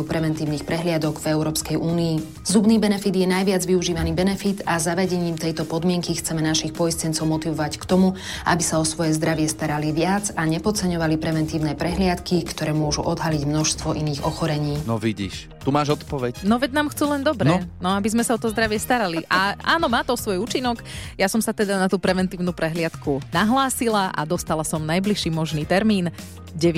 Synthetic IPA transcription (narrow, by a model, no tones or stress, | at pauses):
upɾɛʋɛnt̪iːʊniːxpɾɛɦlɪad̪ɔɡvɛʊɾɔːpskɛjʔuːniː | zubniːbɛnɛfid̪jɛnajʋɪad͡zʋiuʒiːʋaniːbɛnɛfit̪azaʋɛɟɛɲiːmt̪ɛjt̪ɔpɔd̪mɪɛŋkixt͡sɛmɛnaʃixpɔjstɛnt͡sɔʊmɔt̪iʋɔʋackt̪ɔmu | ʔa̰bisaɔsʋɔjɛzd̪ɾaʋɪɛst̪aɾaliʋɪad͡zaɲɛpɔt͡sɛɲɔʋalipɾɛʋɛnt̪iːʊnɛpɾɛɦlɪat̪kikt̪ɔɾɛːmʊɔʒṵʔɔd̪ɦaliɟmnɔʃst̪ʋɔʔiniːɣɔxɔɾɛɲiːnɔʋiɟḭːʃ | t̪umaːʒɔt̪pɔʋɛcnɔʋɛɟnaːmxt͡suːlɛnd̪ɔbɾɛɔnɔabizmɛsaɔt̪ɔzd̪ɾaʋɪɛst̪aɾaliʔaʔa̰ːnɔmaːt̪ɔɔsʋɔjuːt͡ʃinɔkjasɔmsat̪ɛd̪anat̪uːpɾɛʋɛnt̪iːʊnuːpɾɛɦlɪat̪kunaɦlaːsilaʔa̰d̪ɔst̪alasɔmnajbliʃiːmɔʒniːt̪ɛɾmiːn | ɟɛ